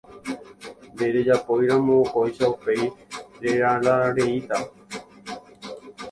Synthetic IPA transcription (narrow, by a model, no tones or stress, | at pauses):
d̪eɾed͡ʒapojɾãmõkojʃaupejɾeɾaɾaaɾeit̪a